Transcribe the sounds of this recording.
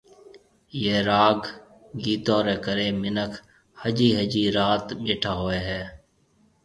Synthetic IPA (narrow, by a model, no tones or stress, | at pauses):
jeːɾaːɡ | ɡiːt̪õːɾeːkəɾeːmɪnəkʰ | həd͡ʒiːɦəd͡ʒiːɾaːt̪ɓeːʈʰaːɦoːeːɦɛː